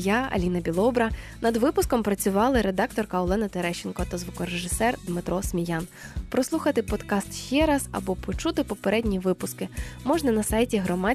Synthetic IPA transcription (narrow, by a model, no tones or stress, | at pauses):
jaɐ̰lʲinɐbʲilˠɔbɾɐnɐd̪ʋɪpʊskɔmpɾɐt͡sʲʊʋɑlˠɪɾed̪ɑkt̪ɔrkɐɔlˠɛnɐt̪eɾɛʃɪnkɔt̪ɐzʋʊkɔɾeʒɪsɛrd̪mɪt̪ɾʔɔsmʲijan | pɾɔslˠuxɐt̪ɪpɔd̪kɑst̪ʃt͡ʃɛɾɑz̥ɐ̰bɔpɔt͡ʃut̪ɪpɔpeɾɛdʲnʲiʋɪpʊskɪmɔʒnɐnɐsɑjtʲiɦɾɔmɑ